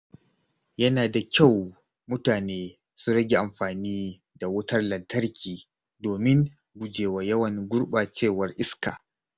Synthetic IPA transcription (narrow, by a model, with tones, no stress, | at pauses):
jɐ˦naː˨da˨kʲa˦˨w | mʊ˦taː˨neː˦ | sʊ˦ɽɐ˦ɡʲe˨ʔa˨mɸaː˨niː˦ | da˨wʊ˦tɐ˦rlɐ˨ntɐ˦rkʲiː˨ | doː˨mɪ˦ŋ | ɡʷʊ˨d͡ʒeː˨waː˨jɐ˦wɐ˨ŋɡʷʊ˦ɽɓaː˨t͡ʃeː˦˨wɐ˦rʔɪ˦ska̰ː˨